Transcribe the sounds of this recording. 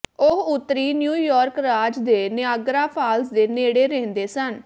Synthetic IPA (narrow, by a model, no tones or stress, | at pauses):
ʊɦʊt̪ːɾiːnjuːjɔːɾkɾaːd͡ʒd̪eːnɪaːɡɾaːpʰaːlsd̪eːneːɽeːɾɛ̃ːnd̪eːsən